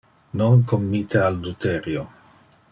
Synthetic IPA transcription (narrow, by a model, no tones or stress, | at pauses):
noŋkomːit̪eald̪ut̪eɾjo